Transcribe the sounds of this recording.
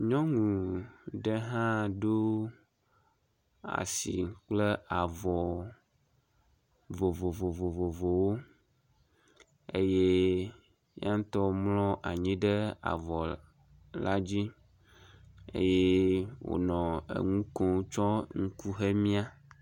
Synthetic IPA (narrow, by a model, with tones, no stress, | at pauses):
ɲɔ̃˦ŋũ˨ɖe˦ɦã˦ɖo˦ | a̰˨si˨k͡ple˦a˨vɔ˨ | vo˨vo˨vo˨vo˨vo˨vo˨wo˦ | ḛ˦je˦ | ja˦ŋ˦t̪ɔ˦mlɔ̃˦ʔa˨ɲĩ˦ɖe˦a̰˨vɔ˨ | la˦d͡ʑi˦ | ḛ˦je˦wo̰˨nɔ̃˨ḛ˨ŋũ˦kɔ̃˦wt͡ʃɔ˦ŋu˦ku˦ɦe˦mĩ˦a˦